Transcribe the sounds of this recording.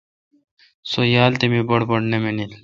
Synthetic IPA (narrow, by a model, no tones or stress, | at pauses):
sojaːlt̪emibɐɽbɐɽnemenil